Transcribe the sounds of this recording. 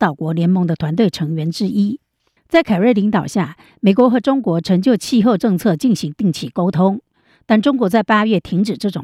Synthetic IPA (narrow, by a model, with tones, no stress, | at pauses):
t̪ɑ˥˨˩ʊkwɔ˧˥ljɛ˧˥nmɤ˧˥ŋd̪ə˧t̪ʰwa˧˥nt̪we˥˩ɪʈ͡ʂʰɤ˧˥ŋɥɛ˧˥nʈ͡ʂɻ̩˥ʔi˥ | t͡sa˥˩ɪkʰa˨˩ɻə˥˩ɪli˧˥ŋt̪ɑ˨˩ʊɕja˥˩ | me˨˩ɪkwɔ˧˥xɤ˧˥ʈ͡ʂʊ˥ŋkwɔ˧˥ʈ͡ʂʰɤ˧˥ŋt͡ɕjo˥˧ʊt͡ɕʰi˥˧xo˥˧ʊʈ͡ʂɤ˥˧ŋt͡sʰɤ˥˧t͡ɕi˥˩ŋɕi˧˥ŋt̪i˥˩ŋt͡ɕʰi˥˩ko˥ʊt̪ʰʊ˥ŋ | t̪a˥˩nʈ͡ʂʊ˥ŋkwɔ˧˥t͡sa˥˩ɪpa˥ɥɛ˥˩t̪ʰi˧˥ŋʈ͡ʂɻ̩˨˩ʈ͡ʂɤ˥˩ʈ͡ʂʊ˨˩